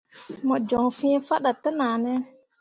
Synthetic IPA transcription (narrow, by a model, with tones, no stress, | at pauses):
mɔ˨d͡ʒɔ˨ŋfĩ˦fa˦ɗa˨tə˦na˨nɛ˦